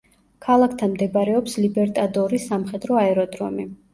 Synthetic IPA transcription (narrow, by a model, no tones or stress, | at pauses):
kʰalˠakʰt̪ʰanmd̪ɛbaɾɛɔpslibɛɾt̪ʼad̪ɔɾisamχɛd̪ɾɔaɛɾɔd̪ɾɔ̰mi